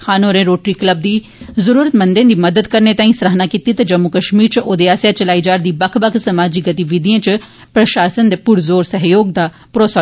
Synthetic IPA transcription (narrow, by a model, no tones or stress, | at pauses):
kʰaːnoːɾẽːɾoːʈɾiːkləb̚d̪iː | zəɾuːɾət̪mə̃nd̪ẽd̪iːməd̪əd̪kəɾnet̪aːĩsɾəɦnaːkit̪it̪ad͡ʒəmːukəʃmiːɾt͡ʃʔoːd̪eːaːsjaːt͡ʃəlaːiːd͡ʒaːɾd̪iːbəkʰbəkʰsəmaːd͡ʒiːɡət̪iʋɪd̪ijãːt͡ʃ | pɾəʃaːsənd̪epʊɾzoːɾsəɦjoːɡd̪aː | pɾoːsə